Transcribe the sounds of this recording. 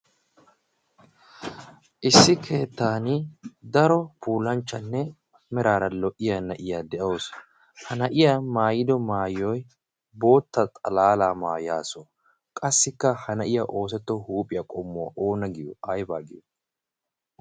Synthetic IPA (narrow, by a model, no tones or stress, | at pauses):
ʔɪsːɪkʰe̞ːt̪ːaːnɪd̪ɐɾɔpuːlɐnt͡ʃːɐnːɛ | mɛɾaːɾɐlɔʔɪjɐnɐʔɪjaːd̪ɛʔɐos | hɐnɐʔɪjamaːjɪd̪ɔmaːjɔj | bo̞ːt̪ːɐt̪ʼɐlaːlaːmaːjaːsɔ | kʼɐsːɪkːɐhɐnɐʔɪjɐʔo̞ːs̬ɛt̪ːɔhuːpʼɪjɐkʼɔmːʊɐ̰ʔoːnɐɡɪjʊ̰ʔɐjbaːɡɪjʊ